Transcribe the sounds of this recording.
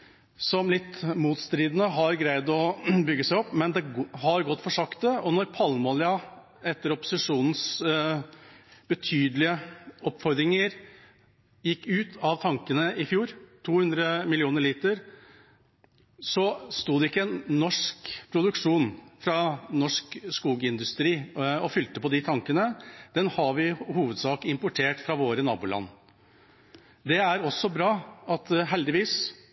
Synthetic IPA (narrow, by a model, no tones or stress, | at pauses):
sɔmlɪt̪ːmuːt̪st̪ɾiːd̪n̩əɦɑɾɡɾæɪd̪ɔbʏɡːəsæɪɔpːmɛnd̪ɛhɑɾɡɔt̪ːfɔʂɑkt̪əɔnɔɾpʰɑlmoːlɪɑ | ɛt̪ːəɾɔpːʊ̥sɪʂuːnn̩s | b̥ət̪ʰyːd̪əlɪəɔpːfɔɾd̪ɾɪŋəɾ | jɪkːʉːt̪ʰɑʋt̪ʰɑŋkənəʔɪfjuːɾt̪ʰuːhʉnd̪ɾəmɪlɪuːnəɾɭiːt̪əɾ | sɔst̪uːd̪ɛɪkːəɛnːɔʂkpʰɾʊd̪ʉkʂuːnfɾɑnɔʂkskuːɡəɪnd̪ʉst̪ɾiːɔfʏlt̪əpɔd̪ɪt̪ʰɑŋkənəd̪̥ɛnhɑʋɪhuːʋəd̪sɑːkəɪmpʊʈʰeːʈfɾɑʋoːɾənɑ̰ːbuːlɑ̰nː | d̪ɛæɾɔsːɔbɾɑːɑt̪ɦɛld̪ɪʋiːs